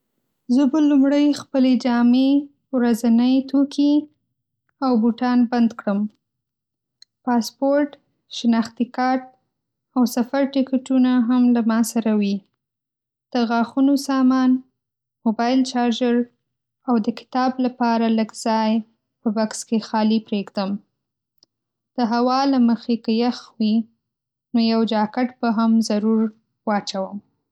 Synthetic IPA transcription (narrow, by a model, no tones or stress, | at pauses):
zəbəlumɽəjxpəled͡ʒɑme | wɾazanəjt̪ʰokʰi | awbuʈɑnband̪kɽəm | pɑspoɾʈ | ʃɪnɑxt̪ikɑɾʈ̚ | awsafaɾʈɪkeʈunaɦamlamɑsaɾawi | d̪̥əɣɑxunosɑmɑn | mobɑjɪlt͡ʃɑɾd͡ʒaɾ | awd̪əkɪ̥t̪ɑblapɑɾaləɡz̥ɑj | pəbakskexɑlipɾeɡd̪əm | d̪̥əɦawɑlaməxekəjaxwi | nojawd͡ʒɑkaʈbaɦamzaɾuɾ | wɑt͡ʃawəm